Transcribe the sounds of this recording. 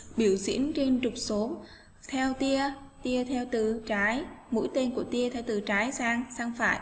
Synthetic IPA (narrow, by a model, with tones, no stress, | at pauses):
ɓi˧˩əwsḭ˧˥ənt͡ɕe˧nt͡ɕʊ˨˩k͡p̚so˨˦m | t̪ʰɛ˧wt̪i˧ət̪i˧ət̪ʰɛ˧wt̪ɨ̰˧˩t͡ɕaː˨˦jmṵ˧˥jt̪e˧nku˧˩ət̪i˧ət̪ʰɛ˧wt̪ɨ̰˧˨˩t͡ɕaː˨˦jsaː˧ŋsaː˧ŋfa̰ː˧˩j